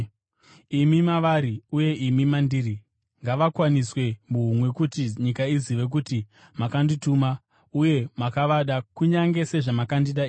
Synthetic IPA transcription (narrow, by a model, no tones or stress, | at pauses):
imimaʋaɾiuje̞imimandiri | ŋɡaʋakwaniswe̞muɦumwe̞kutiɲikaiziʋe̞k̬uti | makandituma | uje̞makaʋaɗakuɲaŋɡe̞se̞ʐamakandiɗa